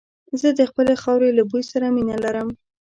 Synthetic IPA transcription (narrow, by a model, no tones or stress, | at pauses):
zəd̪əxpəlexɑwɾelabujsaɾaminalaɾəm